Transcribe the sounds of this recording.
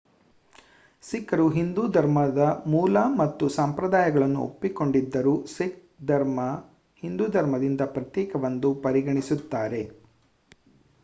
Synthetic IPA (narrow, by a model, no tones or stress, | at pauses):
sikːɐɾuɦind̪uːd̪ʱɐɾmɐd̪ɐmuːlɐmɐt̪ːusampɾɐd̪aːjɐɡɐɭɐnːuo̰pːiko̞ɳɖid̪ːɐɾusik̚ | d̪ʱɐɾmɐ | hind̪uːd̪ʱɐɾmɐd̪ind̪ɐpɾɐt̪jɛːkɐʋɐnd̪upɐɾiɡɐɳisut̪ːaːɾe̞